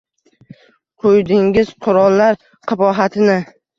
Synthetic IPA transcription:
qʰojd̪ɪŋʲɪz̥qʰʊɾɒlˠːaɾ | qʰɨbɒɦat̪ʰɪnɪ

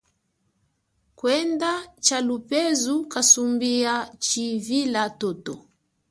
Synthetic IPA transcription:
kwɛndat͡ʃalupɛzukasumbiat͡ʃivilatɔtɔ

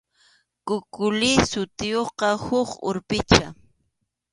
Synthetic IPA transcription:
kʊkʊlɪsʊt̪ɪjoqɑhʊχʊ̰ɾpɪt͡ʃa

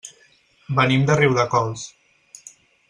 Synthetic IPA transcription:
bənimd̪əriwðəkɔlˠs

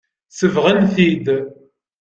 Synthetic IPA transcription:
səvʁənθid̪

